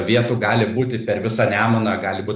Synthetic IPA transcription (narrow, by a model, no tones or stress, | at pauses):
ʋʲiɛt̪uːɡɑːlʲɪbuːt̪ʲɪpʲɛrʋʲɪsɑːnʲæːmonɐɡɑːlʲɪbuːt̪